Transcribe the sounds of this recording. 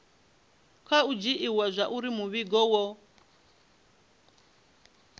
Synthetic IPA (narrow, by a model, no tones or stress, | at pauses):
kʰaud͡ʒiʔiwazʷaʔuɾimuβiɡɔwɔ